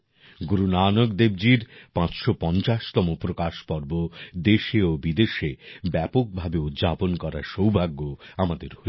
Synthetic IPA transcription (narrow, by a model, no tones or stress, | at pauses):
ɡuɾunaːnoɡd̪eb̚d͡ʑiɾpãt͡ɕʃopɔnt͡ɕaʃt̪ɔmopɾokaʃpɔɾbod̪eʃeobid̪eʃebɛpok̚bʱabeut̪d͡ʑaponkɔɾaʃowbʱaɡːoamad̪eɾɦo